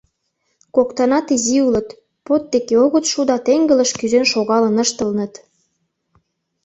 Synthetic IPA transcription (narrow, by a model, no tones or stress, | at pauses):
kokt̪ɑnɑt̪iziulə̆t̪ | pot̪̚d̪ekeoɣə̆t̪ʃud̪ɑt̪eŋɡə̆lə̆ʃkyzenʃoɣɑlə̆nəʃt̪ə̆lnə̆t̪